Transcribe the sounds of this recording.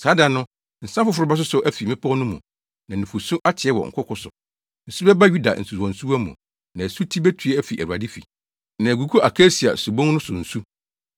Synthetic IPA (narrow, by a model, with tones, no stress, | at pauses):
saː˦da˨nʊ̃˦ | n̩˨sã˦fʊ˦fʊ˨ɾʊ˦ba˦s̬ʊ˦sʊ˨ʔæ˦fi˨mɪ̃˦pʰɔ̃˦nʊ̃˦mṵ̃˨ | nã˨nĩ˨fu˨sũ˦ʔa˦tʰɪ˨ɛ˦wɔ̰˨ŋ̩˨kʰʊ˦kʰʊ˦sʊ̰˨ | n̩˨su˦bɛ˦ba˦ɥu˦da̰˨n̩˨su˨ɔ̃˨n̩˨su˦wa˦mũ˨ | nã˨æ˨su˦tʰi˦bɛ˦tʰɥɛ˦æ˦fi˨ʔæ˨u˨a̰˨dɪ˦fḭ˨ | nã˨æ˨ɡu˨kʰu˦ʔa˨kʰe˦si˨a̰˨su˨bõ˦ŋ˦nʊ̃˦sʊ̰˨n̩˨su˦